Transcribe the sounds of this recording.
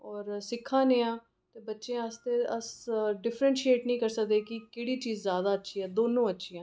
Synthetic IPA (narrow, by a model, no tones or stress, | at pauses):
ɔːɾsɪkʰːãːnẽːãː | t̪eːbətːʃẽːəst̪eːəsɖɪfʰɾənʃieːʈnəĩːkəɾsək̚d̪eːkɪkeːɽiːt͡ʃiːzːjaːd̪aːətːʃʰiːɛːd̪oːnõːətːʃʰiːãː